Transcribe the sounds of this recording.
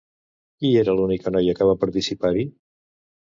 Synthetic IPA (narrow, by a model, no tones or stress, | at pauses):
kieɾəlunikənɔjəkəβapəɾt̪isipaɾi